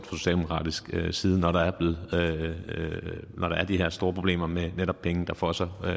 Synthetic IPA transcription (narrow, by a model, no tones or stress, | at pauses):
d̥fɒso̝ɕɛ̰ːld̥emo̥kʁɑ̰̈ːd̥isɡ̥øsiːð̞ˠn̩ɒɾ̥ɑ̈æɐb̥le̝ːð̩ˠ | nʔɒɾ̥ɑ̈æɐd̥ihe̝ɐ̰sd̥o̝ːɐpʰʁo̝ble̝̰ːmɐmeneɾɒ̽b̥̚pʰeŋn̩d̥ɑ̈fɒsɑɪ